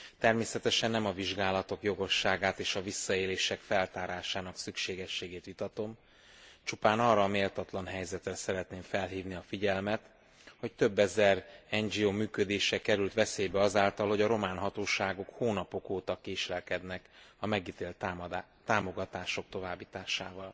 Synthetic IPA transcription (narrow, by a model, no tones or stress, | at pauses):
t̪ɛrmeːsɛt̪ɛʃɛnːɛmɒviʒɡaːlɒt̪o̞kjo̞ɡo̞ʃːaːɡaːt̪eːʃɒvisːɒeːleːʃɛkfɛlt̪aːɾaːʃaːnɒksykʃeːɡɛʃːeːɡeːt̪ʋit̪ɒt̪o̞m | t͡ʃupaːnɒrːɒːmeːlt̪ɒt̪lɒnɦɛjzɛt̪rɛsɛɾɛt̪neːɱfɛlɦiːvniɒfiɟɛlmɛt̪ | ho̞ct̪ø̞bːɛzɛrɛnd͡ʒioːmyːkød̪eːʃɛkɛɾylt̪ʋɛseːjbɛɒzaːlt̪ɒlho̞ɟɒɾo̞maːnɦɒt̪oːʃaːɡo̞khoːnɒpo̞koːt̪ɒkeːʃlɛlkɛd̪nɛkɒmɛɡiːt̪eːlt̪ː | t̪aːmo̞ɡɒt̪aːʃo̞k̚t̪o̞vaːbːiːt̪aːʃaːvɒl